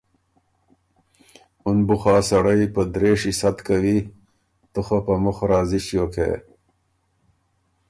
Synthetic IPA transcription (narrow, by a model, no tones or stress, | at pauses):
unbuxaːsɐɽɐjpɐd̪ɾeːʂisɐt̪kɐwi | t̪uxɐpɐmuxɾaːziɕjokʰḛː